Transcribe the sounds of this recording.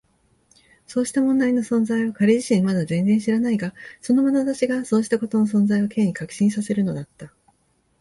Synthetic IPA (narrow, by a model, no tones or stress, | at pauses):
so̞ːɕi̥t̪amõ̞nd̪aino̞sõ̞nzaiβakaɾeʑiɕĩmmad̪azẽ̞nzẽɕiɾanaiɡaso̞no̞manat̪at͡ɕiɡaso̞ːɕi̥t̪ako̞t̪o̞no̞s̬õ̞nzaioke̞ːɲ̟ikakɯ̥ɕĩɰ̃sase̞ɾɯ̟no̞d̪at̪ːa